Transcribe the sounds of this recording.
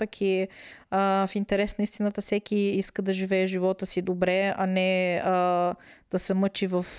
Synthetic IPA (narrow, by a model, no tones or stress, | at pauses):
əkʰiəfint̪ɛɾɛsnəist̪inət̪əfsɛkiiskəd̪ɐʒivɛɛʒivɔt̪əsid̪obɾɛɐnɛəd̪̥ɐsɛmɤt͡ʃivɐf